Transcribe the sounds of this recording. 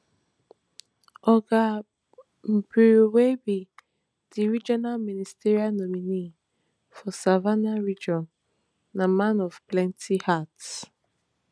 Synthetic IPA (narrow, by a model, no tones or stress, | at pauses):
ɔɡa | m̩buwebi | d̥iɹid͡ʒɔnalministiɾialnɔmini | fɔsavanaɹid͡ʒɔnː | amãnɔvplɛ̃ntʰihats